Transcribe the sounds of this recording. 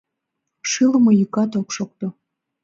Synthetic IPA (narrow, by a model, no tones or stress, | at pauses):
ʃɨlə̆mojykɑt̪okʃok̚t̪o